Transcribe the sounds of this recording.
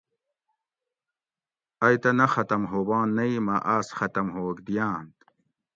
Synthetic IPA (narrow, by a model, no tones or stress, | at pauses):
ɐjt̪ɐnɐxɐt̪ɐmɦoːbãːnːɐimɐʔaːsxɐt̪ɐmɦoːkd̪ijaːnt̪